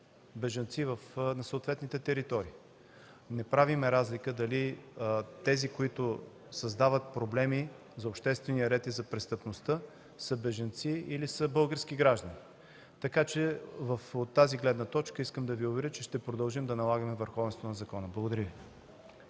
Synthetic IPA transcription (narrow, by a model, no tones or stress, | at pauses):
bɛʒɐnt̪sivəfnɐsoːt̪vɛt̪nit̪ɛt̪ɛɾit̪ɔɾiː | nɛpɾavimɛɾazlikəd̪ɐli | t̪ɛzikoit̪ʊ | sɐzd̪avət̪̚pɾoblɛmi | zɐopʃt̪ɛst̪vɛnijəɾɛt̪izɐpɾɛst̪əpnost̪ə | səbɛʒɐnt̪siilisəbɤlˠɡəɾsk̟iɡɾaʒd̪ɐni | t̪ɐkat͡ʃɛvəfot̪ːaziɡlɛd̪nət̪ɔt͡ʃkəiskəmd̪ɐviovɛɾət͡ʃɛʃt̪ɛpɾod̪ɐlˠʒimd̪ɐnɐlˠaɡəmɛvəɾxɔvɛnst̪vonɐzɐkɔnəblˠɐɡoʊd̪ɐɾʲivi